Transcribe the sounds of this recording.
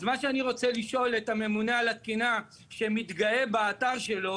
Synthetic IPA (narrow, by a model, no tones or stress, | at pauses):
zmaʃeaniʁo̞t͡seliʃo̞let̪ame̞munaalat̪̚kina | ʃe̞mit̪ɡaebaːt̪aʁʃe̞lo̞